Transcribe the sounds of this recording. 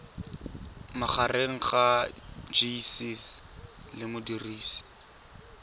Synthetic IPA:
maχareŋ̩χad͡ʒisislɪmʊdiriːsi̥

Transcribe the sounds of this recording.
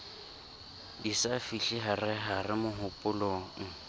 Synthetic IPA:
disafiɬiɦarɪɦarɪmʊɦʊpʼʊloːŋ̩

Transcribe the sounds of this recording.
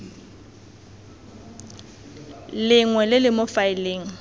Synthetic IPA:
lɪŋwɛlɪlɪmofaɪleːŋ̩

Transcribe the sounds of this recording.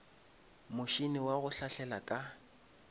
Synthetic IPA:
mʊʃinɪwaɣʊɬaɬɛlakʼa

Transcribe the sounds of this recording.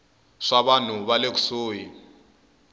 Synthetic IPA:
ʂaβan̤uβalek̬u̥soːji

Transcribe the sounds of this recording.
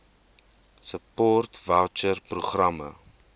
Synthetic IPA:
səpɔːrtvat͡ʃərpruχrɐmə̰

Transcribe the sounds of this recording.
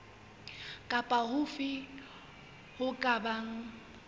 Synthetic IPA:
kʼapʼahʊfɪ | hʊkʼabaŋ̩

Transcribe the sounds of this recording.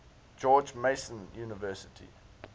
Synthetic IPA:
d͡ʒɔːd͡ʒmeɪsə̃njuːnəvɜːˑsɪtʰḭ

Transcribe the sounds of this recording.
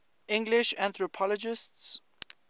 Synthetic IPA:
ʔɪ̃ŋɡlɪʃãnθɹɔpʰɔlɔd͡ʒɪsts

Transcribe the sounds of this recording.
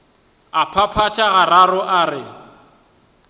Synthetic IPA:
apʰapʰatʼaɣararʊʔaːrɪ

